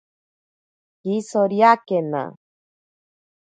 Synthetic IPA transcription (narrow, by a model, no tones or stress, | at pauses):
kisoɾjakena̰